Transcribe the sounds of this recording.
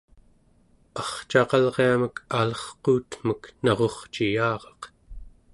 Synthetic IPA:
ɑχt͡ʃɑqɑlʁeaməkʰalʌχquːt̪m̥əknʌʁo̞χt͡ʃijɑːʁɑq

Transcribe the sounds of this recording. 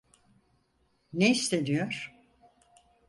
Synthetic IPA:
neist̪ʰed̪ijoɾ̥

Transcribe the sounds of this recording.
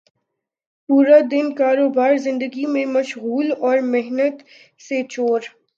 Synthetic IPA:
puːɾad̪ɪnkaːɾoːbaːɾzɪ̃nd̪əɡimẽmɐʃɣuːlɔːɾmɪɦnət̪ | set͡ʃoːɾ

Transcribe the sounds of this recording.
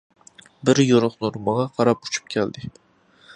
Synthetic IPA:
bɪɾjoɾʊχnuɾmɑʁɑqʰɑɾɑpu̥t͡ʃʰy̥p̚kʲʰæld̪ɪ

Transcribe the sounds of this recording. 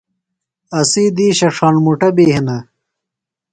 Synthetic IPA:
ɐsiːd̪iːɕɐʂaːnmuʈɐbeːhinɐ

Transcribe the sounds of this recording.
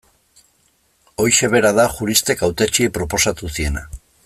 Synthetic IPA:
o̞jʃe̞β̞e̞ɾaðaxuɾist̪e̞kawt̪et͡ʃie̞pɾo̞po̞sat̪usie̞na̰

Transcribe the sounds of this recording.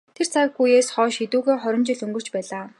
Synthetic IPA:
t̪ʰer̥t͡sʰakxujeːsχɔːʃit̪uːɣeːχɔɾʲɪ̆mt͡ɕɪ̆ɮɵŋɡɵ̆r̥t͡ɕpæːɮaː

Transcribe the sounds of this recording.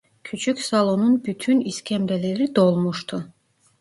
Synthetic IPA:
cʲʰyt͡ʃʰycʲsɑlˠonunbyt̪ʰyniscʰʲɛmɾɛleɾid̪olˠmuʃt̪ʰu

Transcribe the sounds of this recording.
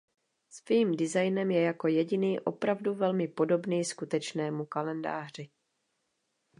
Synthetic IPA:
sviːmdɪzajnɛmjɛjako̞jɛɟɪniːʔo̞pɾavduvɛlmɪpo̞do̞bniːskut̪ɛt͡ʃnɛːmukalɛnda̰ːr̝ɪ

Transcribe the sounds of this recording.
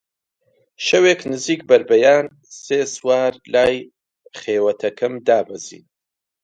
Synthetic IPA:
ʃɐweːknɨziːk̚bɐɾbɐjaːn | seːswaːɾlaːj | χeːwɐt̪ʰɐkʰɐmd̪aːbɐzḭːn

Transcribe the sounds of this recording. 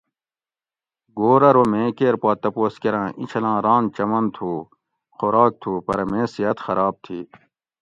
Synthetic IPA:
ɡoːɾɐɾomẽːkeːɾpaːt̪ɐpoːskeɾãːʔḭt͡ɕʰɐlãːɾãːnt͡ɕɐmɐnt̪ʰuː | xoɾaːk̚t̪ʰuːpɐɾɐmeːsiɐt̪xɐɾaːb̚t̪ʰiː

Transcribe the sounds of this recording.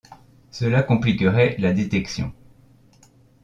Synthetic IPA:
səlakɔ̃plikəʁɛlad̪et̪ɛksjɔ̰̃

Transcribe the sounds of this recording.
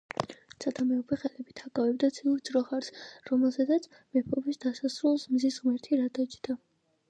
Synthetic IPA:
sʰad̪ʰamɛɔpʰɛχɛlɛbit̪ʰakʼavɛb̚d̪at̪sʰiɾd̪zɾɔχaɾsɾɔmɛlˠzad̪at̪sʰ | mɛpʰɔbisd̪asasɾulˠsmzisʁmɛɾt̪ʰiɾad̪at͡ʃd̪a

